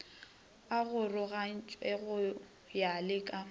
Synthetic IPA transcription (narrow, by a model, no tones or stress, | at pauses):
aɣʊrʊɣan̩t͡ʃʼwɛɣʊ | jalɪkʼa